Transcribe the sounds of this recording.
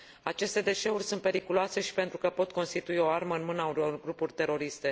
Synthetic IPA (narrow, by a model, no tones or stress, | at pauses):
at͡ʃe̞st̪e̞d̪e̞ʃe̞urʲsunt̪̚pe̞ɾikuloase̞ʃi̥pe̞nt̪ɾukəpo̞t̪ko̞nst̪it̪uio̞arməɨnmɨnəaulorɡɾupurʲt̪e̞ɾo̞ɾist̪e̞